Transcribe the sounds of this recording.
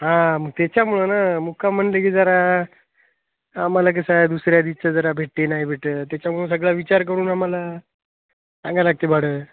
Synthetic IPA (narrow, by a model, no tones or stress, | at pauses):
ɦãməɡ̚t̪jat͡ɕjamuɭənamukʰam̤əɳlekiːd͡zəɾa | malak̬əsajd̪usɾjad̪it͡ɕad͡zəɾabʱeʈːenaɦibʱeʈət̪jat͡ɕjamuɭənsəɡɭaʋit͡ɕaɾk̬əɾuːnɦamala | sãŋɡalaɡ̚t̪ebʱaɽəː